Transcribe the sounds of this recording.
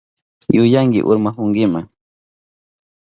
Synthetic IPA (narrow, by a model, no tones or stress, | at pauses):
jʊjaŋɡɪ̰ʔʊ̰ɾmaxʊŋɡɪma̰ŋ